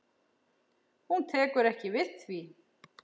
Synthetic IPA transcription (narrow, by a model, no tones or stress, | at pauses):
hunt̪ʰɛːkʏɾɛhcɪvɪðθvi